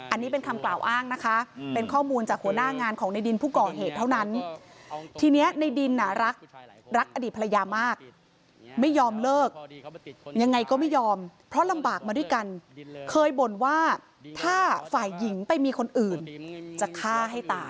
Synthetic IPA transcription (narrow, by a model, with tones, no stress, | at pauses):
ʔa˧nːiː˦˥p̬e˧nkʰa˧mklaː˨˩wʔaː˥˩ŋna˦˥kʰa˦˥pe˧nkʰɔː˥˩muː˧nt͡ɕaː˨˩k̚hu˩˦naː˥˩ŋaː˧nkʰɔː˩˦ŋna˧jdi˧npʰuː˥˩kɔː˨˩ɦeː˨˩t̪ʰːa˥˩wna˦˥n | t̪ʰiː˧ni˦˥ɐna˧jdi˧nːa˨˩ɾa˦˥k̚ | ɾa˦˥k̚ʔa˧diː˨˩t̪̚pʰja˧jaː˧maː˥˩k̚ | ma˥˩jːɔː˧mlɤː˥˩k̚ | ja˧ŋːa˧jkɔː˥˩ma˥˩jɔː˧mpʰɾɔ˦˥la˧mbaː˨˩k̚maː˧du˥˩jka˧nkʰɤː˧jbo˨˩˦nwaː˥˩ | t̪ʰaː˥˩faː˨˩jːi˩˦ŋpa˧jmiː˧kʰo˧nʔɯː˨˩nt͡ɕa˨˩kʰaː˥˩ɦa˥˩jt̪aː˨˩